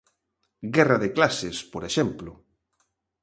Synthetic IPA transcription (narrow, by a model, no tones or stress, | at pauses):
ɡɛraðɪklasɪspoɾeʃɛmplʊ